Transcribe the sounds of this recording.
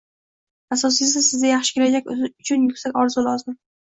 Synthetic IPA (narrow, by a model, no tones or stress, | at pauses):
asɒs̬ɪs̬ɪsɪzd̪ajaχʃɪ̥kʲelad͡ʒakʲʊt͡ʃʰʊnjʊkʲsakʲɒɾzulˠɒzd̪ɪn